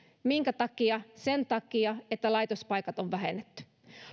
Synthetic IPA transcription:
miŋkæt̪ɑkiɑse̞nt̪ɑkiɑet̪ːælɑjt̪ospɑjkɑt̪oʋʋæɦḛnːet̪ːy̥

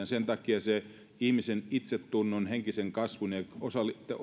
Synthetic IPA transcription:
nsent̪ɑkiɑse | ihmisenit̪set̪ːunːonheŋkiseŋkɑsʋuneosɑlːit̪ːe

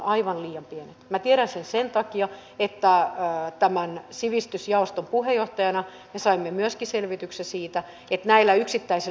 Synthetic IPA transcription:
ɑiʋɑnliːjɑmpienet̪mæt̪ieɾænsensent̪ɑkiɑ | et̪ːæt̪æmænsiʋist̪ysjɑost̪ompuhejoht̪ɑjɑnɑ | mesɑimːemyøskiselʋit̪yksesiːt̪æ | et̪næilːæyksit̪ːæise

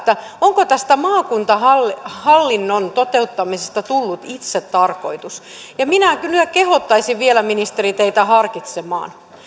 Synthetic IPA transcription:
t̪ːæ | oŋkot̪æst̪æmɑːkunt̪ɑhɑlːhɑlːinːont̪ot̪eut̪ːɑmisest̪ɑt̪ulːut̪it̪set̪tɑrko̰it̪us | jɑminækylækehot̪ːɑisiʋʋielæminist̪erit̪eit̪æhɑrkit̪semɑ̰ːn

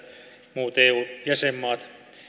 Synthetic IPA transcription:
muːt̪eːuːjæsemːɑːt̪

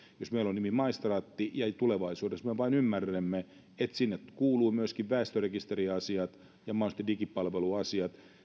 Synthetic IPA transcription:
josmeilonnimimɑist̪rɑːt̪ːijɑt̪uleʋɑisuːdesmøʋɑinymːærːæmːe | et̪sinːetkuːluːmyøskiʋʋæˑːst̪ørekist̪eriɑsiɑt̪ | jɑmɑnst̪edikippːɑlʋeluɑsiɑt̪

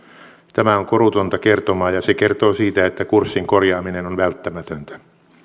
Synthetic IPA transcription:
t̪æmæoŋkoɾut̪ont̪ɑkert̪omɑːjɑsekert̪oːsiːt̪æet̪ːækursːiŋkorjɑːminenonʋælt̪ːæmæt̪ønt̪æ̥

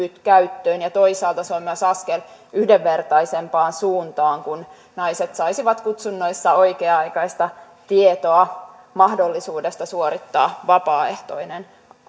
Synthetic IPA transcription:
yt̪kæyt̪ːøːnjɑt̪oisɑːlt̪ɑsoimːøsɑskelyhdeʋːert̪ɑisempɑːnsuːnt̪ɑːŋkun | nɑiset̪sɑisiʋɑt̪kut̪sunːoisːɑoikeːɑikɑist̪ɑ | t̪iet̪oɑ | mɑhdolːisuːdest̪ɑsuoɾit̪ːɑːʋɑpɑːeht̪o̰inen

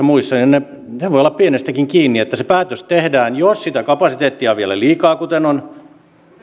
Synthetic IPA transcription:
ɑmuisːɑninne | neʋoiolːɑppienest̪ækiŋkiːnːiet̪ːæsepæːt̪øst̪ehdæːnjossit̪ækɑpɑsit̪eːt̪ːiɑʋielæ̰liːkɑːkut̪enon

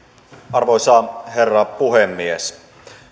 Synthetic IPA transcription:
ɑrʋoisɑːherːɑpuɦemːies

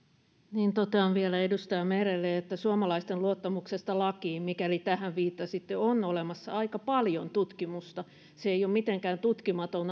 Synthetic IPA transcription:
niːnt̪ot̪eɑnʋiælæedust̪ɑjɑmerelːeet̪ːæsuomɑlɑist̪elluot̪ːɑmuksest̪ɑlɑkiːmikælit̪æhæʋʋiːt̪ːɑsit̪ːeonolemɑsːɑ̰ɑikɑpɑljont̪ut̪kimust̪ɑ | seeijomit̪eŋkæːnt̪ut̪kimɑt̪on

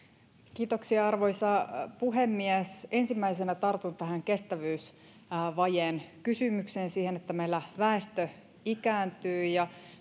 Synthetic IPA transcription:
kiːt̪o̞ksiɑɑrʋo̞jsɑpuɦe̞mːiæse̞nsimːæjsenæt̪ɑrt̪unt̪æɦæŋke̞st̪æʋyːs | ʋɑjeːnkysymykseːnsiːhe̞net̪ːæmejlːæʋæest̪ø | ikæːnt̪yːjɑ

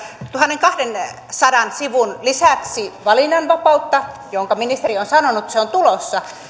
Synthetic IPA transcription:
t̪uhɑnːeŋkɑhden | sɑdɑnsiʋunlisæksiʋɑlinːɑnʋɑpɑut̪ːɑ | joŋkɑminist̪erionsɑnonut̪seont̪ulosːɑ

